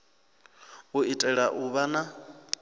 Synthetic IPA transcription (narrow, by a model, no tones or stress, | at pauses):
uitʼɛɺaʔuβana